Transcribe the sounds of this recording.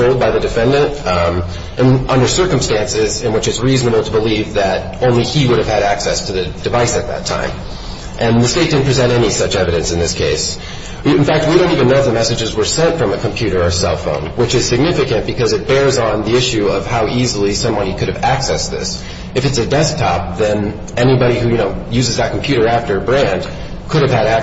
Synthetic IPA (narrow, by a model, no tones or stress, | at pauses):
oʊlˠd̚baɪðɨdɨfɛ̃ndɨ̃nt | ʔɨ̃nʔʌ̃ndə˞sɜ˞kə̃m̩stæ̃nsɪzɨ̃nwət͡ʃɨtsɹiznəbl̩ˠtʰəbəlivðɨɾʔõʊ̃nliiwʊɾɨv̥ɨɾæksɛstʰɨðɨdɨvaɪsɨt̪̚ðɨ̰tʰã̰ɪ̃m | ʔɨ̃nðɨsteɪt̚d̥ɪdⁿn̩pʰɹ̥izɛ̃ñɾɛnisʌt͡ʃɛvɨɾɨ̃nsɨ̃nðɪskʰeɪs | ɨ̃nfæk̚t̚wiɾõʊ̃tivɨ̃nːoʊfðəmɛsɨd͡ʒɨzwə˞sɛ̃ntfɹʌ̃mɨkʰɨ̃mpʰj̥ʉɾə˞ə˞sɛlˠfõ̰ʊ̃nwɨt͡ʃɨz̥sɨɡ̚nɪfɨkɨ̃nb̥ɨkʰʌzɨt̚b̥ɛɹzn̩ðiɪʃʉʌv̥haʊʔizl̩ˠisʌ̃mbɑɾikʰʊɾɨvæksɛsðɪ̰s | ɨfɨtsɨdɛsk̚tʰɑp̚ðɨ̃n | ʔɛnibɑɾihʉjɨñoʊjʉzɨzðɨt̚kʰm̩pʰj̥ʉɾə˞æftə˞bɹæ̃nd̥ | kʰʊɾɨv̥ɨɾæ